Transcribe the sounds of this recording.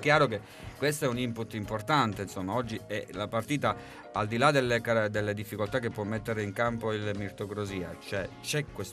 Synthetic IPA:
kːjaːɾoke | kwest̪oɛunimput̪ːimport̪ant̪einsomːaɔd͡ʒːiɛlapart̪iːt̪a | ald̪ilad̪elːekad̪elːed̪ifːikolt̪akːepːwɔmːet̪ːeɾeiŋkampoilmirt̪okɾoziːa̰t͡ʃoɛt͡ʃɛkːwes

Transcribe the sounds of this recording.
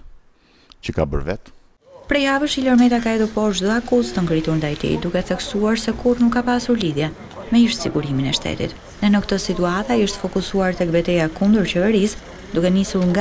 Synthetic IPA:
cəka̰bə̰ɾvɛ̰t̪ | pɾɛjavəʃilɔɾmɛt̪akaɛðuɾpɔʃd̪uakuzt̪əŋɡɾit̪uɾnd̪ajt̪ḭd̪ukɛθɛksuaɾsɛkuɾnukːapasuɾliðjɛ | mɛiʃt̪sḭɡuɾiminɛʃt̪ɛ̰t̪ḭt̪ | nɛnəkt̪əsit̪uat̪aiʃt̪ə̥fɔkusuaɾt̪ɛk̚bɛt̪ɛjakund̪əɾt͡ɕɛvɛɾis | d̪ukɛnisuɾŋɡa

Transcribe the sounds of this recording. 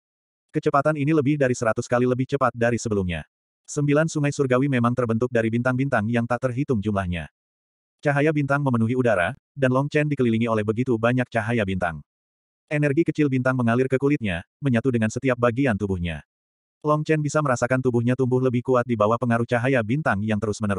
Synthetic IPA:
kət͡ʃəpat̪aniniləbɪhdaɾisəɾat̪uskaliləbɪht͡ʃəpat̪̚daɾisəbəlumɲa̰ | səmbilansuŋajsurɡawimemaŋt̪ərbənt̪ʊk̚daɾibint̪aŋbint̪aŋjaŋt̪aʔt̪ərɦit̪ʊŋd͡ʒumlahɲa̰ | t͡ʃaɦajabint̪aŋməmənuɦiudaɾa̰ | danlɔŋt͡ʃɛndikəliliŋiolɛhbəɡit̪ubaɲak̚t͡ʃaɦajabint̪a̰ŋ | ʔenɛrɡikət͡ʃɪlbint̪aŋməŋalɪrkəkulɪt̪̚ɲa | məɲat̪udəŋansət̪iap̚baɡiant̪ubuhɲa̰ | lɔŋt͡ʃɛnbisaməɾasakant̪ubuhɲat̪umbʊhləbɪhkuat̪̚dibawahpəŋaɾuht͡ʃaɦajabint̪aŋjaŋt̪əɾʊsmənəɾʊ

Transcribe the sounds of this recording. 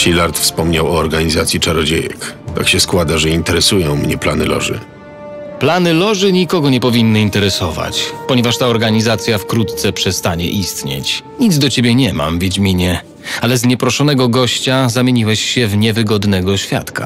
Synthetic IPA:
ɕilaɾt̪fspɔmɲawɔːɾɡaɲizat̪sʲjit͡ʂaɾɔd͡ʑejɛ̰kt̪a̰kɕɛskwad̪aʐɛint̪ɛɾɛsujɔ̃w̃mɲɛplanɨlɔ̰ʐɘ̰ | planɘlɔʐɘɲikɔɡɔɲɛpɔvʲinːɨint̪ɛɾɛsɔva̰t͡ɕpɔɲɛvaʂt̪aɔɾɡaɲizat̪sʲjafkɾut̪t̪sɛpʂɛst̪aɲɛ̰ʔist̪ɲḛt͡ɕɲid̪zd̪ɔt͡ɕebʲjɛɲɛma̰mvʲjed͡ʑmʲiɲɛ | alɛzɲɛpɾɔʂɔnɛɡɔɡɔɕt͡ɕazamʲeɲiwɛɕɕɛvɲɛvɘɡɔd̪nɛɡɔɕfʲja̰t̪ka̰

